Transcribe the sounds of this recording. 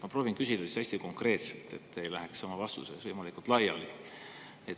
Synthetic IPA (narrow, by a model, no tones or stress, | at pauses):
mɑproːvinkysid̪ɑisæsʲt̪iko̞ŋkre̞ːt̪selt̪e̞t̪ːejlæɦekssɑmɑvɑst̪ṵsesvɤjmɑlikult̪lɑjɑ̰li | e